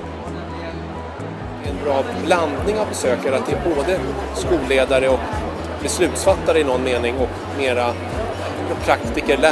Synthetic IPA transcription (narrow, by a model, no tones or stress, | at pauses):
d̪ɛ | ɛnbɾɑːbland̪nɪŋabɛsøːkəɾat̪̚d̪ɛæɾboːd̪əskuːleːd̪aɾəɔk | bɛslʉ̟ːt̪sfat̪ːaɾəɪnɔnːmeːnɪŋɔk | meːɾa | mɛpʰɾakt̪ɪkəɭɛ